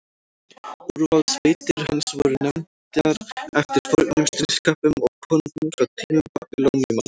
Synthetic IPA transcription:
uɾvawðsvejt̪ɪɾ̥hansvɔɾʏnɛmt̪ɪaɾɛft̪ɪɾfɔlk̚nʏmst̪ɾɪskaːpʏmɔɣkʰœnt̪ʏmfɾawt̪ʰiːmɪpakɪlowmɪman

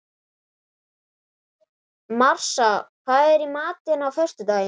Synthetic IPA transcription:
mar̥safaðɛɾimaːt̪ɪnawfœr̥st̪ʏt̪aːjɪ

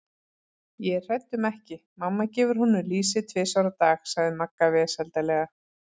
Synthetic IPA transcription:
jɛr̥ɛt̪ːʏmɛhcɪmamːacɛːvʏɾ̥ɦunːʏliːsɪt̪ʰvɛːsawɾat̪aːxsaɣðɪmakːavɛsɛlt̪alɛɣa

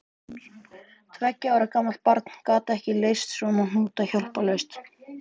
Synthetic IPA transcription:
t̪ʰvɛcːaaːwɾakaːmalt̪̚paɾt̪n̥kaːt̪aɛhcɪlejst̪svɔnan̥uːt̪açɔwl̥palœɥst̪

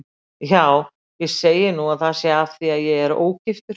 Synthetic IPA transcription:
jaːw | jɛɣseːjɪnuaθasjɛafθiaðjɛɣɛɾo̰ːwcɪft̪ʏɾ

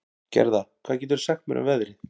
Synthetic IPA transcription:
cɛ̰ɾðakʰvaːðcɛːt̪ʏɾ̥sɛxt̪mɛɾʔʏ̰mvɛðɾɪ

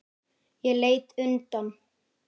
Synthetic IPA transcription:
jɛleːjt̪ʏnt̪an

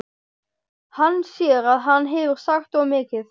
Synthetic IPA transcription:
hanːsjɛɾaðɦanːɦɛːvɪɾ̥saxt̪ɔɣmɪːcɪð

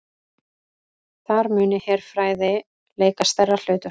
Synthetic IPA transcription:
θaɾmʏːnɪhɛːɾ̥fɾaːjðɪ | leːjkast̪ɛrːal̥ʏːt̪ʏ

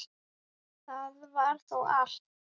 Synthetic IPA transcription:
θaðvaɾ̥θɔwɣaɬt̪

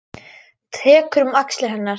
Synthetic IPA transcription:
t̪ʰɛːkɾʏmakslɪɾɦɛnːaɾ̥

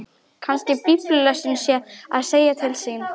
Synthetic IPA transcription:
kʰanscɪpiplʏlœsɪnsjɛa̰ðseːjat̪ʰɪlsiːn

